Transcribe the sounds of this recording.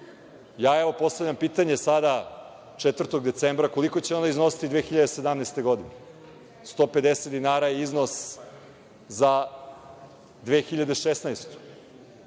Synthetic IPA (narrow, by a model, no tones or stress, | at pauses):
jaːeʋo̞po̞st̪avʎampiːt̪aɲe̞sad̪a | t͡ʂet̪vər̩t̪oɡd̪e̞t̪sembɾako̞liko̞t͡ɕeo̞naizno̞si̥t̪id̪ʋeːxiʎad̪ese̞d̪amnajst̪e̞ɡo̞d̪ine | st̪o̞pe̞d̪eset̪d̪inaːɾajeizno̞s | za | d̪ʋexiʎad̪eʃesnaest̪u̥